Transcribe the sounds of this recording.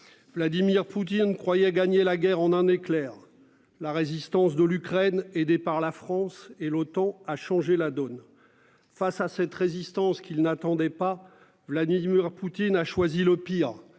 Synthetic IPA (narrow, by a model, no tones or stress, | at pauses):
vlad̪imiʁput̪̬inkχwajɛɡaɲelaɡʲɛʁɑ̃nɛ̃neklɛːʁ | laʁezist̪ɑ̃sd̪əlykχɛned̪epaʁlafχɑ̃selot̪ɑ̃aʃɑ̃ʒelad̪ɔn | fasasɛt̪ʁezist̪ɑ̃skʲilnat̪ɑ̃d̪ɛpa | vlad̪imiʁput̪inaʃwaziləpiːʁ